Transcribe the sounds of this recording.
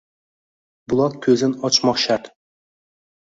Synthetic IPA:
bulˠɑq̚kʲʰɵzɪnɒt͡ʃmɒχʃat̪

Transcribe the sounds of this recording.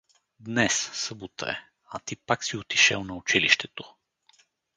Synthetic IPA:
d̪nɛssəbut̪ə̰ɛ̰ | ɐt̪ipaksiot̪i̥ʃɛ̰lˠnɐʊt͡ʃiliʃt̪ɛt̪o

